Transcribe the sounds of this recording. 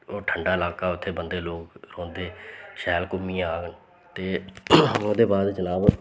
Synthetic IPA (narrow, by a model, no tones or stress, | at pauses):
oːʈʰəɳɖaːɪlaːkaːʊt̪ʰːeːbənd̪eːloːkɾõːnd̪eːʃɛːlkʊmːĩːaːɡən | t̪eːm̃ːd̪eːbaːd̪t͡ʃəlaːb